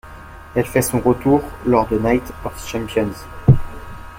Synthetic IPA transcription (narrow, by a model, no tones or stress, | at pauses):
ɛlfɛsɔ̃ʁət̪uʁlɔʁd̪ənajt̪ɔfʃɛ̃mpjɔnz